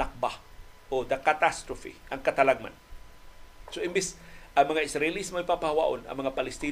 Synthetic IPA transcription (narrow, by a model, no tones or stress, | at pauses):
ak̚baʔod̪ɐkat̪ast̪ɾofḭʔɐŋkat̪alaɡ̚ma̰n | soʔɪmbɪsʔɐŋmɐŋaɪsɾaɪlismoajpapahawa̰ʔonɐ̰ŋmɐŋapalɪst̪iː